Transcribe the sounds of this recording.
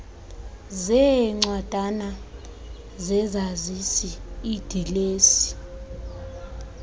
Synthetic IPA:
zɛŋ͡ǀwad̥ʱana | zɛzazisiːd̥ʱileːsi̥

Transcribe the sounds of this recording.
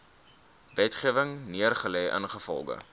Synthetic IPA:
vɛtχiəvəŋniərχəlɛjʔə̰nχəfɔ̰lˠɡə̰

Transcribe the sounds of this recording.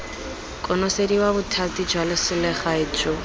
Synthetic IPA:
kʼɔnɔsediwabʊtʰatid͡ʒwalɪsʊlɪχaɪt͡ʃʼɔ

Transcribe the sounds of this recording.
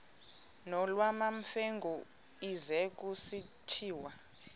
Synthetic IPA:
nɔlwamaɱfeŋɡʱu | izɛk̬usi | tʰiːwa

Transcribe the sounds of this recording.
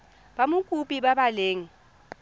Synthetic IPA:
bamʊkʼupʼibabaleːŋ̩

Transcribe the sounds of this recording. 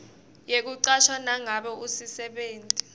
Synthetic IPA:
jek̬uǀaʃʰwanaŋaɓɔusisɛɓeːntʼi

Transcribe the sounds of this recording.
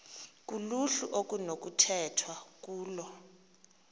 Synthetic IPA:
k̬ʼuluɬṵʔok̬ʼunok̬utʰɛtʰwak̬uːlɔ

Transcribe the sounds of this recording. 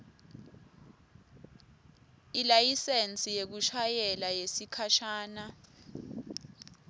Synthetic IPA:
ilajisent͡sʼijek̬uʃʰajɛlajesikʰaʃaːna

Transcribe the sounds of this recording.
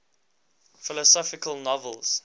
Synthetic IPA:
fɪlɔsɔfɪkəlˠnɔvəlˠz̥

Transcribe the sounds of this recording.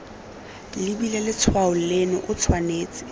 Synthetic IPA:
libilɛlɪt͡sʰwaʊl̩lenɔ̰ʔʊt͡sʰwaneːt͡sɪ̥

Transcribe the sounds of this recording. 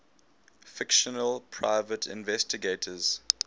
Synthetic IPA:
fɪkʃənəlpʰɹaɪvətʰɪ̰̃nvɛstɪɡeːtʰəz̥

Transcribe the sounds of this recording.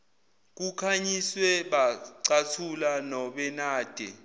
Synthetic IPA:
k̬ukʰaɲiswɛɓaǀatʰulanɔɓɛnaːd̥ʱɛ

